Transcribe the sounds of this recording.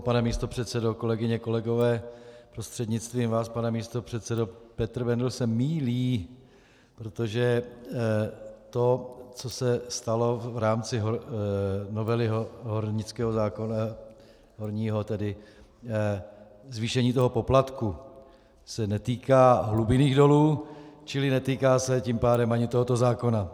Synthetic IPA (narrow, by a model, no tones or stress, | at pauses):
panɛmiːst̪o̞pr̝̥ɛt̪sɛdoko̞lɛɡɪɲɛko̞lɛɡo̞vɛːpɾo̞st̪r̥ɛdɲɪt͡st̪viːmvaːspanɛmiːst̪o̞pr̝̥ɛt̪sɛdopɛt̪r̩vɛndlsɛmiːliː | pɾo̞t̪o̞ʒɛ | t̪o̞t͡so̞sɛst̪alo̞vɾaːmt͡sɪɦo | no̞vɛlɪɦoɦoɾɲɪt͡skɛːɦozaːkon | ɦoɾɲiːɦo̞t̪ɛdɪ | zviːʃɛɲiːt̪o̞ɦo̞po̞plat̪ku | sɛnɛt̪iːkaːɦlubɪniːɣdo̞luːt͡ʃɪlɪnɛt̪iːkaːsɛcimpaːdɛmʔaɲɪt̪o̞ɦo̞t̪o̞zaːko̞na